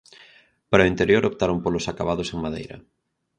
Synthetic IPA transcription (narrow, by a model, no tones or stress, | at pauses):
paɾaoint̪eɾjoɾʔopt̪aɾompolʊsakaβaðʊseŋmaðḛjɾɐ̰